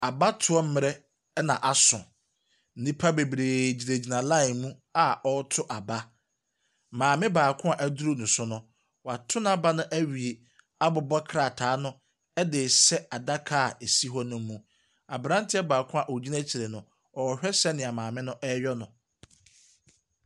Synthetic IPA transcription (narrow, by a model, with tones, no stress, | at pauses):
a˨ba˦tʰʊ˨˦ɔ˦m̩˦mɪ̃˨ɾɛ˦ | nã˨ʔa˨sʊ̰̃˨ | n̩˦nĩ˦pʰa˦be˨bɾeː˨d͡ʑi˨ɾe˨d͡ʑi˨nã˨lã˦ɪ˨mũ˦ | a˦ɔ˦tʰʊ˦ʔa˨ba˦ | mãː˨mɪ̃˦baː˨kʰʊ̃˦a˨ʔæ˨du˦ɾo˦nʊ̃˨sʊ˦nʊ̃˦ | wa˨tʰʊ˦nã˦˨ba˦nʊ̃˦ʔæ˦ɥi˨e˨ | a˦bʊ˨bɔ˦kʰɾa˨tʰaː˨˦nʊ̃˦ | ɛ˦dɪ˨sɛ˦a˨da˦kʰa˦˨e˨si˦ɦɔ˦nʊ̃˦m˦mũ˦ | a˨bɾã˦n˦tʰɪ˦ɛ˦baː˨kʰʊ̃˦a˨ʔo˨d͡ʑi˦nã˦t͡ɕʰi˨ɾe˨nʊ̃˨ | ɔ˨ɔ˨hᶣɛ˦sɛ˦nɪ̃˨a˨mãː˨mɪ̃˦nʊ̃˦ʔɛ˦ɥɔ˦nʊ̃˨